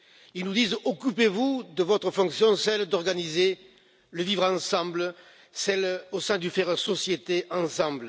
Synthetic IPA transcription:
ilnud̪izɔkypevud̪əvɔt̪χəfɔ̃ksjɔ̃sɛld̪ɔʁɡanize | ləvivʁɑ̃sɑ̃blə | sɛlosɛ̃d̪yfɛʁəsɔsjet̪eɑ̃sɑ̃blə

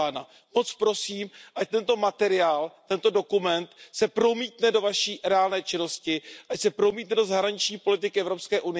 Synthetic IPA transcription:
aːna | mo̞t͡spɾo̞siːmʔac̚t̪ɛnt̪o̞mat̪ɛɾɪaːlt̪ɛnt̪o̞do̞kumɛnt̪sɛpɾo̞miːt̪nɛdo̞vaʃiːɾɛaːlnɛːt͡ʃɪno̞scɪʔacsɛpɾo̞miːt̪nɛdo̞zaɦɾaɲɪt͡ʃɲiːpo̞lɪt̪ɪkɪʔɛvɾopskɛːʔunɪ

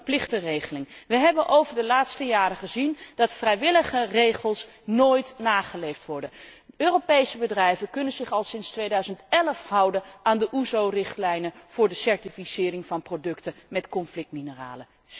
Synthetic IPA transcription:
plɪχtərejχəlɪŋʋəɦɛbənʔowvəɹdəlaːtstəjaːrəχəzind̥ɑtfrɛjʋɪləχərejχəlˠs | noːjtnaːχəlejftʋɔɹdənøːropejsəbədrɛjvəkɵnənzɪχɑlˠsɪnstʋejdœɥzəntɛləfɦʌwdənaːndəʔuzowrɪχtlɛjnəv̥ʊːɹdəsɛɹtifisɪːrɪŋvɑnprodɵktəmɛtkɔnflɪk̚tminəra̰ːlə

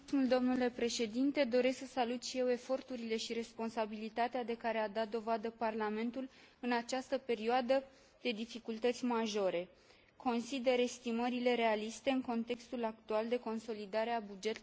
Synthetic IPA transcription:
muld̪o̞mnule̞pɾe̞ʃe̞d̪int̪e̞d̪o̞ɾe̞sssalut̪ʃije̞we̞fo̞rt̪uɾile̞ʃiɾe̞spo̞nsabilit̪at̪ead̪e̞kaɾead̪at̪̚d̪o̞vad̪əparlame̞nt̪ul | ɨnat͡ʃast̪əpe̞ɾioad̪ə | d̪̥e̞d̪ifikult̪ət̪sʲmaʒo̞ɾe̞ | kʰo̞nsid̪e̞ɾe̞st̪iməɾile̞ɾe̞alist̪e̞ɨŋko̞nt̪e̞kst̪ulakt̪uald̪e̞ko̞nso̞lid̪aɾe̞abud͡ʒe̞t̪

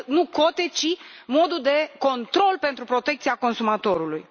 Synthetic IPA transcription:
nuko̞t̪e̞t͡ʃimo̞d̪uld̪e̞ko̞nt̪ɾo̞lpe̞nt̪ɾupɾo̞t̪e̞k̚t̪siako̞nsumat̪o̞ɾulṵj

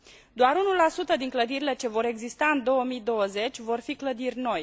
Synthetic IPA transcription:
d̪oaɾunulasut̪əd̪iŋkləd̪iɾile̞t͡ʃe̞vo̞ɾe̞ɡzist̪aɨnd̪o̞wəmid̪o̞wəze̞t͡ʃʲvo̞rfikləd̪irʲno̞j

